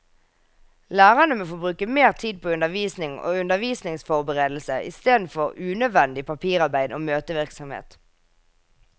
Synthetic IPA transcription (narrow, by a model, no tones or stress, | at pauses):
læːʁɑnəmoːfoːbʁʉːkəmeːʁt̪ʰiːd̪̚pʰoːʉnəʋiːsnɪŋo̰ːʉnd̪əʋiːsnɪŋsfɔʁbəʁeːd̪l̩səʔɪ̰st̪eːd̪n̩fɔʁʉːnœd̪ʋɛnd̪ɪpʰɑpʰiːʁɑʁbæɪd̪oːmøːt̪əʋɪʁksɔmhḛːt̪